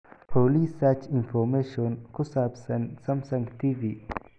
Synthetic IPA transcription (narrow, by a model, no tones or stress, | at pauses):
pʰoːlisat͡ʃʰinfɔmeːʃɔnkʰʊsabsɐnsɐmsɐ̃ŋɡt̪ʰiviː